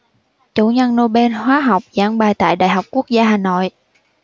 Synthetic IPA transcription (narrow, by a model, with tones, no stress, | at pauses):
t͡ɕu˧˩˦ɲə˧nːo˧ɓe˧nhwaː˨˦ɦa˨˩wk͡p̚zaː˨˦ŋɓaː˨˩jt̪a̰ː˧˨jɗa̰ː˧˨jɦa˨˩wk͡p̚ku˦˥ək̚zaː˧ɦaː˨˩no̰˧˨jʔ